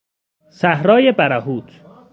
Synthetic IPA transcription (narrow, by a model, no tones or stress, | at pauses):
sæhɾɒːjebæɾæɦuːt̪ʰ